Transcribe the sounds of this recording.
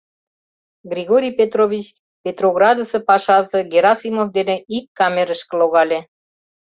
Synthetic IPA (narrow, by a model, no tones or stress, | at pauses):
ɡrʲiɣoɾʲijpʲet̪rovʲit͡ɕ | pʲet̪roɣrɑd̪əsĕpɑʃɑzə̆ɡeɾɑsimofd̪enĕikːɑmeɾəʃkə̆loɣɑlʲĕ